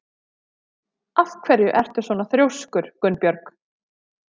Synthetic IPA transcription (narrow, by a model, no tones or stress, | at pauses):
afkʰvɛɾjʏʔɛr̥t̪ʏ̥svɔːnaθɾjowskʏɾ̥kʏnpjœɾk